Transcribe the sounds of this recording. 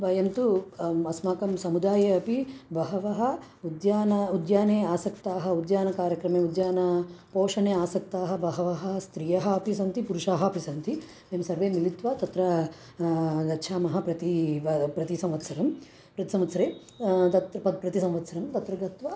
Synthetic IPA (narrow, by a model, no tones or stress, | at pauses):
bɐjɐnt̪uɐsmaːkɐmsɐmud̪aːjɐɐpibɐɦɐʋɐɦɐ̆ | ud̪jaːnɐud̪jaːneːaːsɐkt̪aːɦɐ̆ud̪jaːnɐkaːɾjɐkɾɐmeːud̪jaːnɐpoːʂɐneːaːsɐk̚t̪aːɦɐ̆bɐɦɐʋɐɦɐ̆st̪ɾijɐɦɐɐpisɐnt̪ipuɾuʂaːɦɐɐpʰisɐnt̪i | emsɐɾʋeːmilit̪ʋaːt̪ɐt̪ɾɐ | d̪ɐʃʰaːmɐɦɐpɾɐt̪iʋɐpɾɐt̪isɐ̃mʋɐt̪sɐɾɐm | pɾɐt̪i̥sɐ̃mʋɐt̪sɐɾeː | t̪ɐt̪ɐpɐpɾɐt̪isɐ̃mʋɐt̪sɐɾɐmt̪ɐt̪ɾɐɡɐt̪ʋaː